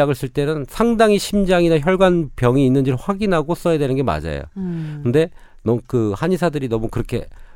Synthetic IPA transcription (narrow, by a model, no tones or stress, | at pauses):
aɡɯɭs͈ɯɭt͈e̞nɯnsʰaŋdaŋiɕʰimd͡ʑaŋinaçjʌɭɡwanpjʌŋiːnːɯnd͡ʑiɾɯɭɸwaɡinɦaɡos͈ʌjadwe̞nɯnɡe̞ma̰d͡ʑa̰jo̰kɯnde̞ | nʌmkɯhaɲisʰadɯɾinʌmukɯɾʌkʰe̞̰